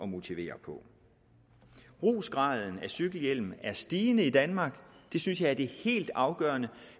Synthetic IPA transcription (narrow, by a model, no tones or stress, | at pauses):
ɒ̽mo̝t͡sʰiʋe̝̰ːɐpʰɒ̽ | b̥ʁṵːsɡ̥ʁɑ̈ːð̞ˠn̩æsyɡ̥l̩jel̰m̩æɐsd̥iːnəid̥ænmɑ̈ːɡ̥d̥e̝synsjɑ̈ɪæɐd̥e̝he̝̰ːld̥ɑ̈ʊɡ̥ɶːɐnə